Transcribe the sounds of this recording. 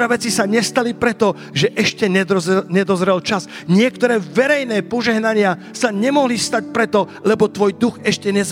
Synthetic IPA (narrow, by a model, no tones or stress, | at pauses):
aʋɛt͡sisaɲɛst̪alipɾɛt̪ɔ | ʒɛʔɛʃcɛɛɲɛd̪ɔzɾɛlt͡ʃasɲɪɛkt̪ɔɾɛːʋɛɾɛjnɛːpɔʒɛɦnaɲɪa | saɲɛmɔɦlist̪ac̚pɾɛt̪ɔlɛbɔt̪ʋɔjd̪uɣɛʃcɛɲɛz